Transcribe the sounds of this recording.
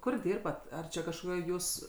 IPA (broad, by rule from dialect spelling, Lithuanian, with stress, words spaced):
ˈkʊr ˈdʲiːrbɐt ˈɐr t͡ʃʲɛ kɐʃkoːˈkʲoːj ˈjuːs